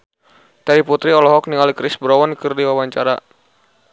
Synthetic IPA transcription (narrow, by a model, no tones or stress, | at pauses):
t̪adiput̪ɾiɔlɔɦɔk̚niŋalikɾɪsbəɾɔwɔnkɨrdiwawaɲt͡ʃaɾa